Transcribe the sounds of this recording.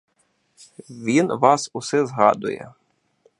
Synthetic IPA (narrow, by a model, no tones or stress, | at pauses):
ʋʲinʋɑsʊsɛzɦɑ̰d̪ʊ̰jɛ̰